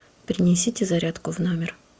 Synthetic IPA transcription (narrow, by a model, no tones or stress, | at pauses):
pɾʲɪnʲɪsʲitʲɪzɐɾʲat̪kʊvnomʲɪr